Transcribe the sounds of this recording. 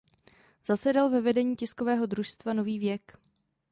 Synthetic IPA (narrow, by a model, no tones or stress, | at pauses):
z̥asɛdalvɛvɛdɛɲiːcɪsko̞vɛːɦo̞dɾuʃst̪vano̞viːvjɛk